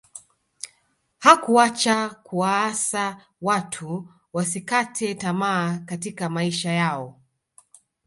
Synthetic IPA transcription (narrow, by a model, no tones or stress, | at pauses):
hakuat͡ʃakuaːsa | watʰu | wasikatʰɛtamaːkatikamaiʃajaɔ